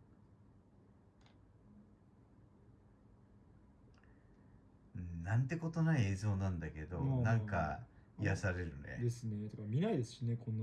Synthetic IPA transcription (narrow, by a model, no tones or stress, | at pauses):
nãnt̪e̞ko̞t̪o̞naieːzo̞ːnãnd̪ake̞d̪o̞nãŋkaijasaɾe̞ɾɯ̟nḛd̪e̞sɨnet̪ekamʲinaid̪esɨ̥ɕinekʰõnː